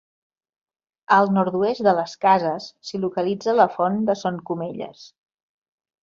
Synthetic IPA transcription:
əlˠnɔɾt̪uest̪̚d̪ələskazəsːilukəlid͡zələfɔnd̪əsoŋkumeʎə̰s

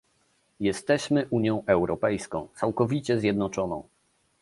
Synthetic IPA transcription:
jɛst̪ɛɕmɘʔuɲjɔ̃w̃ʔɛwɾɔpɛjskɔ̃w̃t̪sawkɔvʲit͡ɕɛzʲjɛd̪nɔt͡ʂɔnɔ̰̃w̃

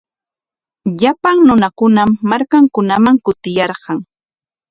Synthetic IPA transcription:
ʎapaŋnʊnakʊnamːaɾkaŋkʊnamaŋkʊt̪ɪjɑɾɢɑŋ

